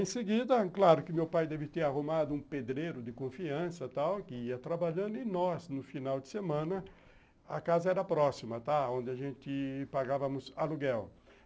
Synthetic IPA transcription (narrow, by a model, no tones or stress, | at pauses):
ẽsɪɡid̪ɐklaɾʊkɪmewpajd̪ɛvɪt̪eɾaɦomad̪ʊũped̪ɾeɾʊd̪ɪkõfiɐ̃sɐt̪awkɪiɐt̪ɾabaʎɐ̃nd̪ʊɪnɔsnʊfinawd̪ɪsemɐ̃nɐ | ɐkazɐɛɾɐpɾɔsimɐt̪aõnd̪ɪaʒẽnt̪ɪpaɡavɐmʊzɐluɡɛw